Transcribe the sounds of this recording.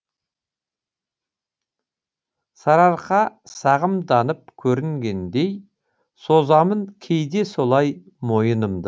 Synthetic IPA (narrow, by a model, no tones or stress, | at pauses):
sɑɾɑɾqɑsɑʁəmd̪ɑnəp̚kʲʰɵɾɪŋɡʲe̞nd̪e̞j | so̞zɑmənkʲʰe̞jd̪e̞so̞lˠɑj | mo̞jənəmd̪ə